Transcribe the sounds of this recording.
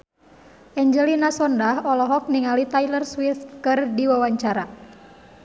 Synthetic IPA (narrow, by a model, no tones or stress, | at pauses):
ʔɛɲd͡ʒɛlinasɔndahɔlɔɦɔk̚niŋalit̪ajlərswiθkɨrdiwawaɲt͡ʃaɾa